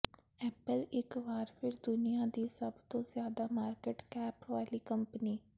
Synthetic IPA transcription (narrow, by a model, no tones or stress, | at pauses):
ɛːpəlɪkʋaːɾpʰɪɾd̪ʊnijaːd̪iːsəbt̪õːzjaːd̪aːmaːɾkeʈkɛːpʋaːliːkəmpniː